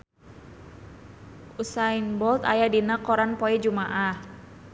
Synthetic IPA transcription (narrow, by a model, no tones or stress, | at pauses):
usainbɔlt̪a̰jadinakɔɾanpɔɛd͡ʒumaʔah